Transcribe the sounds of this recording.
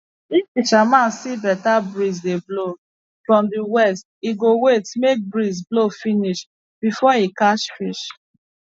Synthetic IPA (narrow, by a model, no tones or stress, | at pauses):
ifiʃamãsibɛtabɹizdeblo | fɹɔ̃mdiwɛstiɡowestmek̚bɹizblofiniʃ | b̥ifɔikaʃfiʃ